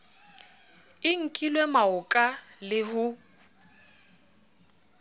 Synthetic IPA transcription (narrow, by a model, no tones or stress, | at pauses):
ɪŋ̩kʼilwɛmaʊkʼalɪhʊ